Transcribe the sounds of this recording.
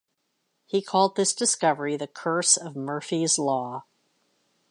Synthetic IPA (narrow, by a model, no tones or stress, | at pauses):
hikʰɔlˠd̪̚ðɪsd̥ɨskʌvə˞iðɨkʰɜ˞sʌvmɜ˞fizlɔ